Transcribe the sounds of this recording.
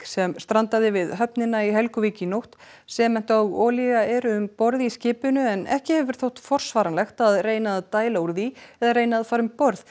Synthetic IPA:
sɛmst̪ɾant̪aðɪvɪðɦœp̚nɪnaiɦɛlkʏviːcɪnowht̪ | sɛmɛn̥t̪aɣɔːliɣaɛɾʏʏmpɔɾðiscɪːpʏnʏɛnɛ̰hcɪhɛvvɪɾ̥θowht̪fɔr̥svaːɾanlɛxt̪aðreːjnaðat̪aːjlauɾðiɛðaɾrejnaðfaːɾʏmpɔɾð

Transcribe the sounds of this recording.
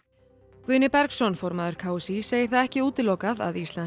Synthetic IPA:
kvʏːnɪpɛɾksɔnfɔɾmaːðʏɾ̥kʰaːwsiseːjɪ̥ɾ̥θaðɛhcɪuːt̪ɪlowkaða̰ðist̪lan

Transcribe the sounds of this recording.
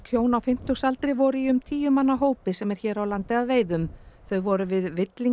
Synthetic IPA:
kʰjoːwnawfɪm̥t̪ʏsalt̪ɾɪvɔɾʏiʏmt̪ʰiːjʏmanːaɦoːwpɪsɛmɛɾ̥çɛːɾawlant̪ɪaðveːjðʏmθœɥvɔɾʏvɪðvɪt̪liŋ

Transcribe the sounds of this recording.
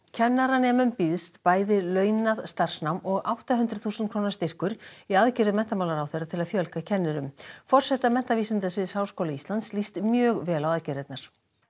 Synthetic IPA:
cʰɛnːaɾanɛːmʏmpiðst̪paːjðɪlœːɥnaðst̪ar̥snawmɔɣawht̪aɦʏnt̪ɾʏθuːsnt̪kʰɾoːwnaɾst̪ɪr̥kʏɾiaðcɪɾðʏmɛn̥t̪amawlaɾawθejrat̪ʰɪlaðfjœlkacʰɛnːɪɾʏmfɔr̥sɛht̪amɛn̥t̪aviːsɪnt̪asvɪðsaːwskowlaist̪lant̪slist̪mjœːɣvɛːlawaðcɛɾɛt̪naɾ̥

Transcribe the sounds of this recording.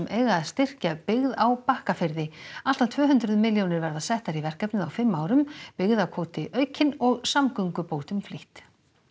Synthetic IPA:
mʔeːjɣaːðst̪ɪr̥capɪɣðawpahkafɪɾðɪal̥t̪ant̪ʰvœːɦʏnt̪ɾʏðmɪljownɪɾvɛɾðasɛht̪aɾivɛr̥kapnʏðawfɪmːaːwɾʏmpɪɣðawkʰoːwt̪ɪʔœːɥcʰɪnɔɣsamkʏŋkʏpoːwt̪ʏmfliht̪

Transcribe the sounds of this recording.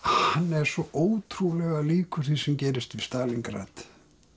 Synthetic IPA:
hhanːɛɾ̥sɔʔoːwt̪ʰɾulɛɣaliːkʏɾ̥θi̥sɛmcɛːɾɪst̪vɪst̪aːliŋkɾa̰ːt̪

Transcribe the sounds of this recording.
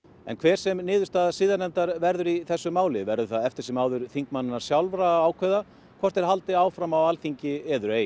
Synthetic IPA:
ɛ̰nkʰvɛːɾ̥sɛmnɪːðʏ̥ɾst̪aːðsɪːðanɛnt̪aɾvɛɾðʏɾiθɛsːʏmaːwlɪvɛɾðʏɾθaðɛft̪ɪɾ̥sɛmaːwðʏɾ̥θiŋkmanːɪnːaɾ̥sjawlvɾaaːwkʰɛða | kʰvɔr̥t̪ɛɾ̥ɦalt̪ɪaːwfɾamawalθiɲcɪɛːðʏɾeːj

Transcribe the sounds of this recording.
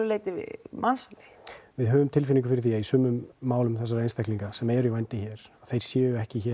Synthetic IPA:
ʏleːjt̪ɪvɪ̰mansalɪvɪðɦœːvʏmt̪ʰɪlfɪniŋk̬ʏfɪɾɪɾθiːaisʏːmːʏmːaːwlʏmθɛs̬aɾejnst̪ɛhkliŋkasɛmɛɾjivɛjnt̪ɪçɛːɾ̥aθejɾ̥sjɛːjʏɛhcɪçɛ

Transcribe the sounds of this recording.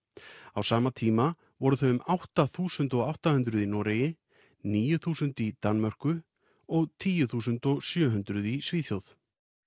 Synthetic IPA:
awsaːmat̪ʰiːma | vɔɾʏθœɥʏmʔawht̪aθuːsʏnt̪ɔɣawht̪ahʏnt̪ɾʏðinɔːɾejɪ | niːjʏθuːsʏnt̪it̪anmœr̥kʏ | ɔɣt̪ʰiːjʏθuːsʏnt̪ɔɣsjœːɦʏnt̪ɾʏðisviːθjowθ

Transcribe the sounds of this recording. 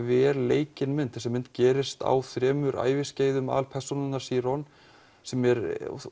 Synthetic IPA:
vɛɾleːjcɪnmʏnt̪θɛsɛmːɪnt̪cɛːɾɪst̪a̰wθɾɛːmʏɾa̰ːjvɪsceːjðʏma̰lpʰɛr̥sunɪnaɾ̥siːɾɔn | sɛmɛɾ

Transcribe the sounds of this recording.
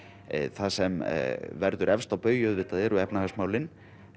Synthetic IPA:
θasɛmvɛɾðʏɾʔɛfst̪awpœːɥjœðvɪt̪ːaðɛɾʏɛpnahasmaːwlɪn

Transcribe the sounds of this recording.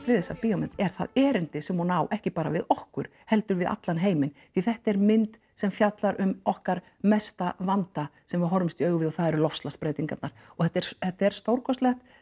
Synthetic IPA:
t̪ʰvɪðɛsapiɔmɪnt̪ɛɾ̥θa̰ðɛːɾɪnt̪ɪsɛmɔwnaːwʔɛhcɪpaːɾa̰vɪðɔhkʏɾ̥hɛlt̪ʏɾvɪða̰t̪lanɦeːjmɪnθiθɛht̪ɛɾmɪnt̪ | sɛmfjat̪laɾʏmɔhkaɾ | mɛst̪avant̪asɛmvɪɦɔɾmɪst̪iœːɥɣʏvɪðɔθaðɛɾʏlɔfst̪laspɾeːjt̪iŋkat̪naɾ̥ɔɣθɛt̪ːɛɾ̥θɛt̪ːaɛɾ̥st̪owɾkʰɔst̪lɛxt̪

